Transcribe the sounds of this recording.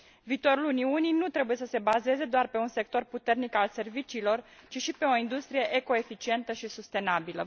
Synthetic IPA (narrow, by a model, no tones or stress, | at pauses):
viːt̪o̞ɾuluniunijnut̪ɾe̞buje̞səse̞baze̞ze̞d̪oarpe̞unse̞k̚t̪o̞rput̪e̞rnikalse̞rvit͡ʃiːlo̞rt͡ʃiʃipe̞o̞ind̪ust̪ɾije̞ʔeko̞e̞fit͡ʃie̞nt̪əʃisust̪e̞nabilə̰